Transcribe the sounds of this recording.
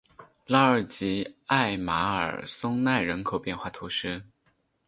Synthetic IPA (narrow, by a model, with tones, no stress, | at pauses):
la˥ə˞˨˩t͡ɕi˧˥a˥˩ɪma˧˥ə̰˞˨˩sʊ˥ŋna˥˩ɪɻə˧˥nkʰo˨˩ʊpjɛ˥˧nxwa˥˩t̪ʰu˧˥ʂɻ̩˥